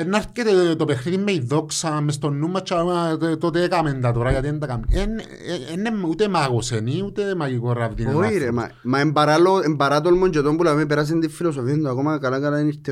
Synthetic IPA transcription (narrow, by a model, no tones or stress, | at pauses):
enːaɾket̪et̪opexɾit̪imːejðoksamest̪onːumːat͡ʃːaat̪ot̪ekamend̪at̪oɾajat̪ent̪akamen | enemut̪emaɣoseniut̪emajikoravd̪inoiɾema̰ | maembaɾaloembaɾat̪̬olmond͡ʒet̪ombulamep̬eɾas̬end̪ifilos̬ofjend̪oakomakalakalainit̪e